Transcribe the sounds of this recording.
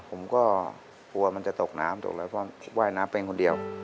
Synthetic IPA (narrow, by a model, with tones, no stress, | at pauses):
pʰo˩˦mkɔː˥˩ | kʰu˧ɐ˧ma˧nt͡ɕa˨˩t̪o˨˩k̚na̰ː˦˥mt̪o̰˨˩k̚lɔː˧˥jpʰɔː˧˩pʰːwaː˥˩jnaː˦˥mpeː˧ŋkʰo˧ndi˧əw